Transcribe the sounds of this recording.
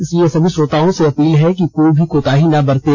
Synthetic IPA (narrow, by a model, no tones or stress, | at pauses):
ɪsiesɐbʱisoːt̪aːõseɐpiːlɦɛkikoːibʱikoːt̪aːɦinɐbɐɾt̪e